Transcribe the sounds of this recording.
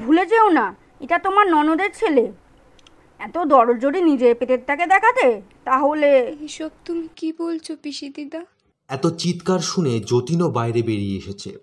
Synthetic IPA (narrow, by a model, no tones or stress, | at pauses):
bʱuled͡ʑeona | eʈat̪omaɾnɔnod̪eɾt͡ɕʰele | ɛt̪od̪ɔɾold͡ʑoɖinid͡ʑeɾpet̪et̪t̪ʰːaked̪ɛkʰat̪e | t̪aɦoleɦiʃɔb̚t̪umikibolt͡ɕʰopiʃid̪id̪a | ɛt̪ot͡ɕit̪kaɾʃuned͡ʑot̪inobajɾebeɾieeʃet͡ɕʰḛ